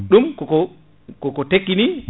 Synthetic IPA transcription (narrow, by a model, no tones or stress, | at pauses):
ɗumkɔkɔ | kɔkɔtekːini